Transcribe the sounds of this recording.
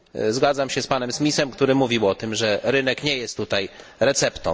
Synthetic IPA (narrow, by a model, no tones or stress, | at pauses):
zɡad̪zamɕɛspanɛmsmʲisɛmkt̪uɾɘmuvʲiwɔt̪ɘmʐɛɾɘnɛkɲɛjɛst̪ːut̪ajɾɛt̪sɛpt̪ɔ̰̃